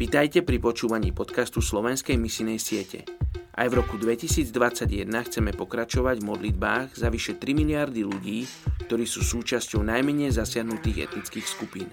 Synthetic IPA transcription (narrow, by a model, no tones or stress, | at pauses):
ʋit̪ajcɛpɾipɔt͡ʃuːʋaɲḭːpɔt̪kast̪uslɔʋɛnskɛjmisinɛjsɪɛcɛ̰ʔa̰jvɾɔkud̪ʋɛcisiːd͡zd̪ʋat͡saɟjɛd̪naxt͡sɛmɛpɔkɾat͡ʃɔʋaɟvmɔd̪lid̪̚baːɣzaʋiʃɛt̪ɾimilɪaɾd̪iʎuɟiː | k̚t̪ɔɾiːsuːsuːt͡ʃascɔʊnajmɛɲɛjzasɪaɦnut̪iːɣɛ̰t̪nit͡skiːxskupiːn